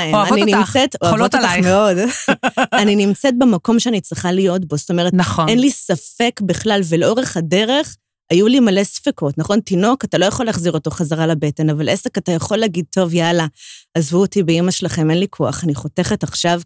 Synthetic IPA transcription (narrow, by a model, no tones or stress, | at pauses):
oaninimset̪oaot̪otaχmeo̞d | aninimt͡set̪̚bemako̞mʃeanit͡sʁiχalijo̞tbo̞st̪o̞meʁet̪naχnenlisafe̞kbeχlalveleo̞ʁe̞χade̞ʁe̞χ | ajulimale̞sfeko̞tnaχo̞ntino̞katalo̞jaχolaːχziʁo̞to̞χazaʁalabete̞navalʔesekatajaχo̞lːɛːɡid̪̚t̪o̞vjalaːzvuotibeimaʃelaχe̞menlikʰoa̰χaniχo̞te̞χe̞taχʃav